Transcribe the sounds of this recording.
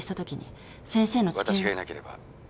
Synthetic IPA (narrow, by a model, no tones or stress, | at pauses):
ɕi̥t̪at̪o̞kʲiɲ̟ḭ | sẽ̞ɰ̃se̞ːno̞t͡ɕikẽiɡaenake̞ɾe̞ba̰